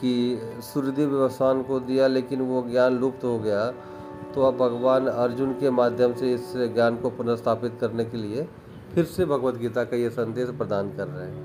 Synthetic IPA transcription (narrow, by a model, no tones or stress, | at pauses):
kisʊɾɪd̪ʱiʋjɐʋəst̪ʰaːnkod̪ijaleːkɪnʋoɡjaːnluːpt̪ɦoɡɐja | t̪oɐbʱɐɡʋaːnɐɾd͡ʒʊnkemaːd̪ʱjəmseɪsɡjaːnkopʊnəst̪ʰaːpɪt̪kɐɾnekelie | pʰɪɾsebʱɐɡʋət̪ɡiːt̪akajesɐ̃nd̪eːʃpɾɐd̪aːnkɐɾːəɦẽː